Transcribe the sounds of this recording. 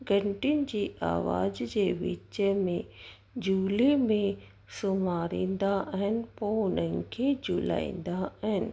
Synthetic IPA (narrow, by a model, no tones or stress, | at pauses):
ɡɐ̃ɳʈinɪ̆d͡ʑiːʔa̰ːʋa̰ːzd͡ʑeːʋɪ̰t͡ʃəmẽ | d͡ʑuːlemẽ | sʊmaːɾḭ̃ːnd̪aʔɐɦənɪ̆poʊnənkʰed͡ʑuːla̰ːḭ̃ːnd̪aɐɦɪnɪ̆